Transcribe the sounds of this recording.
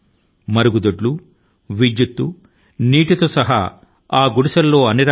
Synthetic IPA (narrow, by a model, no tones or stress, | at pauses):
mɐɾuɡud̪ɐɖlu | ʋid͡ʒjut̪ːu | niːʈit̪oːsɐɦa̰ | aːɡuɽisɐlːo̞ːɐniɾa